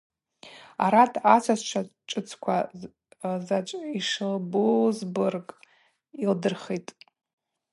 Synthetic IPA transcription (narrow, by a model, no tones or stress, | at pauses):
a̰ɾatʰat͡sʷʰazt͡ʃʷʰat͡ʃʼɨt͡sʰkʷʰa | zat͡ʃʷʼiʂɨlbozbɨrkʼ | ildɨrχetʼ